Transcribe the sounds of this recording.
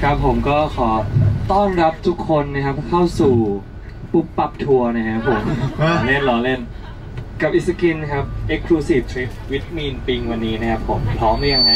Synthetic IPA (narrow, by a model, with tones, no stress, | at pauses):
kʰa˦˥pʰːo˩˦mkɔː˥˩kʰɔː˩˦t̪ɔ˥˩ŋɾa˦˥p̚t̪ʰu˦˥kʰːo˧nːa˦˥kʰa˦˥p̚kʰa˥˩wsuː˨˩ | pu˦˥˩pːa˨˩p̚t̪ʰu˧ɐna˦˥kʰa˦˥pʰːo˩˦mo˨˩˦ŋle˥˩nlɔː˧˦le˥˩n | ka˨˩p̚ʔi˦˩t̪̚sa˧ki˧n˥kʰa˦˥p̚ʔe˦˥kʰluː˧si˨˩p̚t̪ʰi˦˥fwi˦˥t̪̚miː˧npi˧ŋwa˧nːiː˦˥na˦˥kʰa˦˥pʰo˩˦mpʰɾɔː˦˥mda˥˩ja˧ŋma˦˥j